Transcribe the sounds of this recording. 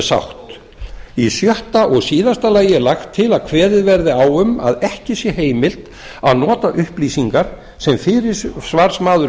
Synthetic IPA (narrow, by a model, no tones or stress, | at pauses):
sa̰wht̪ | isjœht̪aʔɔɣsiːðast̪alajɪlaxt̪ʰːɪlaðkʰvɛːɾɪðvɛɾðɪawʏma̰ðɛhcɪsjɛheːjmɪl̥t̪ | a̰ðnɔːt̪aʔʏhpliːsiŋkaɾ̥ | sɛmfɪɾɪɾsvaɾ̥smaːðʏɾ